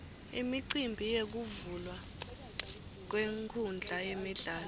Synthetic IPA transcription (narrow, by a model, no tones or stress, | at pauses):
ḭmiǀimbʱijek̬uvulwa | k̬weŋkʰund͡ɮʱajemiɮaːl